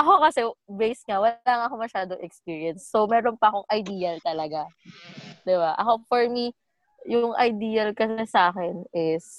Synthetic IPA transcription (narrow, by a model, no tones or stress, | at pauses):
ʔɐko̞kɐsɛbejsŋɐwɐaːŋɐko̞mɐʃaːd̪oŋʔɛkspiːɹiɐnsːowmɛːɾonpɐʔːko̞ŋʔɐjd̪iːɐlt̪ɐlɐɡa | d̪ɪbaʔɐ̰ko̞fɔɹmi | jʊŋɐ̰jd̪iːɐlkɐsɛsaːkɛnɪs